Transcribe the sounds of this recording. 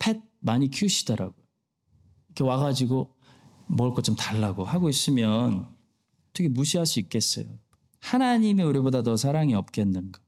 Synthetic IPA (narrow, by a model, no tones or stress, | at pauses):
pʰe̞d̚maɲikʰuɕʰi̥dʌɾa̰ɡojo | ikʰe̞waɡad͡ʑiɡo | mʌɭk͈ot͡ɕ͈omtaɭːaɡohaɡois͈ɯmjʌn | ʌtʰʌkʰemuɕʰiɦaɭs͈uik͈e̞s͈ʌ̰jo̰ | hanaɲimeuɾibodadʌsʰaɾaŋiʌp̚k͈enːɯnɡa